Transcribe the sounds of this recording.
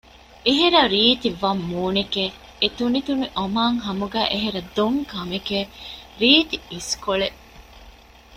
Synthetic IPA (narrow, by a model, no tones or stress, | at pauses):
ʔeɦeɾɐɾiːt̪iʋɐmːuːneke | et̪unit̪uniʔomaːŋɦɐmuɡæːʔeɦeɾɐd̪oŋkɐmekeɾiːt̪iiskoɭe